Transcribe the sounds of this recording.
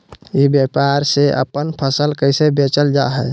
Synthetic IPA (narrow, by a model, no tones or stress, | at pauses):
ibjapaɾseʔə̰pənpʰəsəlkəɪsebet͡ʃəld͡ʒaɦɛ